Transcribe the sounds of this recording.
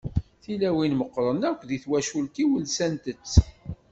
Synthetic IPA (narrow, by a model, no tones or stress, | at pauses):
θilæwinməqːɾˤənækʷːðiθwæʃult̪iwəlsænt̪ət͡sː